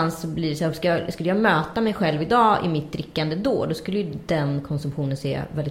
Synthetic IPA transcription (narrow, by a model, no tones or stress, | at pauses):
ansɔbliːɾɛsæːɾɔskajɑskɵlːəjɑːɡmøːt̪amɛjɧɛlvɪd̪ɑːɪ̰mɪt̪̚d̪ɾɪkːand̪əd̪o̰ːd̪ɔskɵlːəjɵd̪ɛnkʰɔnsɵmɧuːnənsḛːvɛlɪ